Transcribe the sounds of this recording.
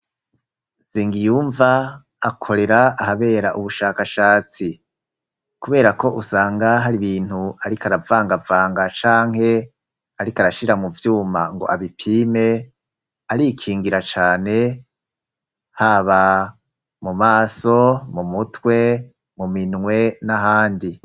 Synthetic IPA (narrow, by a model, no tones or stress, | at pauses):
z̥iːŋɡijuːɱvaː | kʰo̞ɾe̞ɾaːɦaβe̞ːɾaʔuβuʃaːkaʃaːt͡si | kuβe̞ːɾako̞ʔusaːŋɡaɦaɾiβiːnhuaɾikaɾavaːŋɡavaːŋɡat͡ʃaːŋ̥he̞ | aɾikaɾaʃiɾamuvjuːma̰ŋɡo̞̰ʔaβipʰiːme̞ | aɾikʰiːŋɡiɾat͡ʃaːne̞ | haβa | mumaːso̞mumutwe̞ | muminŋwe̞naɦaːndi